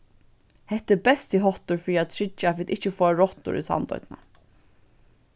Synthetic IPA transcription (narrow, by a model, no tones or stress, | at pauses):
hɛht̪ːɪbɛst̪iɦɔht̪ʊɹfɾiat̪ʰɾɪt͡ʃːafiːt̪ɪht͡ʃəfoːaɹɔht̪ʊ̰ɾḭsa̰nt̪ɔ̰ʏt̪na̰